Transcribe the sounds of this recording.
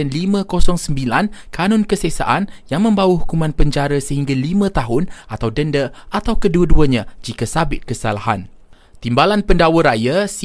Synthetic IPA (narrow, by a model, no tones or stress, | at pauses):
ɛnlimə̃kosɔŋsəmbilankʰanʊ̃nkəsɛsa̰ʔanjaŋmə̃mbawəɦukumãnpəɲd͡ʒaɾasəhiŋɡalimãt̪aɦʊnʔat̪awdəndəʔat̪awkəduəduəɲãd͡ʒikasabɪt̪̚kəsalaɦa̰n | t̪imbalanpəndawəɾajas